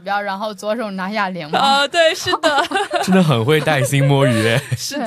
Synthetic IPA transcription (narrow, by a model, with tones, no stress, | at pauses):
jɑ˥˩ʊɻa˧˥nxo˥˩ʊt͡swɔ˧˥ʂo˨˩ʊna˧˥ɕa˥˩li˧˥ŋɔ˧t̪we˥˩˧ɪʂɻ̩˥˩d̪ə˩ʈ͡ʂə˥nd̪ə˨˩xə˨˩nxwe˥˧ɪt̪a˥˩ɪɕi˥ŋmwɔ˥ɛ˧˥˧